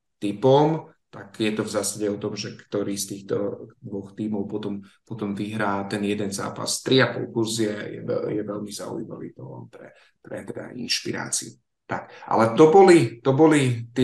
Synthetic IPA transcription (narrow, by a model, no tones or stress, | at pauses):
t̪ipɔmt̪akjɛt̪ɔvzaːsaɟɛɔt̪ɔmʒɛkt̪ɔɾiːst̪iːxt̪ɔ̰d̪ʋɔxt̪iːmɔʊpɔt̪ɔmpɔt̪ɔmʋiɦɾaːt̪ɛnjɛd̪ɛnza̰ːpa̰st̪ɾiapɔ̰lˠkuɾziɛjɛ̰ɛjɛʋɛʎmiza̰ṵḭma̰ʋḭːt̪ɔlɛ̰npɾɛ̰ | pɾɛ̰t̪ɛd̪a̰ʔinʃpiɾa̰ːt͡siu | t̪a̰kʔa̰lɛt̪ɔbɔlit̪ɔbɔlit̪ɪ